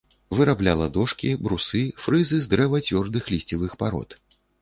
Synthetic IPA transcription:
vɨɾablʲalˠɐd̪ɔʂkʲibɾusɨfɾɨzɨzd̪ɾɛvɐt͡sʲvʲɔrd̪ɨxlʲisʲt͡sʲivɨxpaɾɔ̰t̪

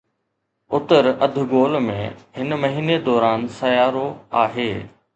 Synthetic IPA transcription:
ʊt̪əɾɐd̪ʱʊɡoːlmḛ̃ɦɪnmɐɦiːned̪ɔːɾaːnsɐjaːɾoaːɦeː

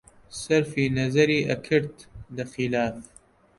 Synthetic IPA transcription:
sɐɾfiːnɐzɐɾiːʔɐkʰɨɾt̪d̪ɐxilaːf

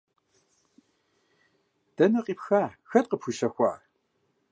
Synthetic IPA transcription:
d̥ɐnɐqʼiːpxaːxɐt̚qəpxʷuʃɐxʷɑ̰ː

